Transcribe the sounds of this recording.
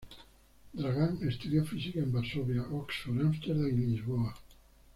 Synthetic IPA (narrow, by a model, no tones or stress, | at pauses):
d̪ɾaɣanest̪uðjafizikembaɾsoβjaʔoksfoɾamst̪eɾðaninʎizβoa